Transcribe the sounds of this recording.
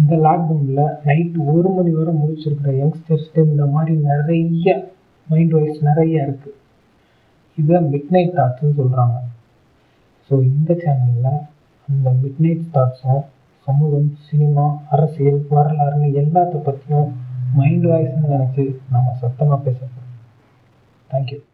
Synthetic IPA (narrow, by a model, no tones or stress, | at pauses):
ɪnd̪ɐlaːk̚dɐmɪlɐnɐɪʈːɯɔɾɯmɐðiʋɐɾʊ̃mʊɾɪt͡ʃːɪɾɯkːɪɾɐjɐŋɡsʈɐɾsʈeːmɪnɐmaːd̪ɾinɪɾɐjɐ | mɐɪɳɖʋaːjsnɪɾɐjaːɪɾɯkːɯ | ɪðɐmɪɖnɐɪʈːaːʈsɯnːɯsɔlːɾaːŋɡɐ | soːɪnd̪ɐt͡ʃaːnɐllːã | ɐnd̪ɐmɪɖnɐɪʈsʈaːʈsʊ̃ | sɐmuːɣɐmsɪnɪmaːɐɾɐsɪjɐlʋɐɾɐlaːɾɐnɐɛlːaːt̪ːɐpːɐt̪ːɪjʊ̃mɐɪɳɖʋaːjsɐnɯnɛnɛt͡ʃːɯnaːŋɡɐsɐt̪ːɐmaːpeːsɐɾɐtːɐ̃ | t̪ʰaːŋkju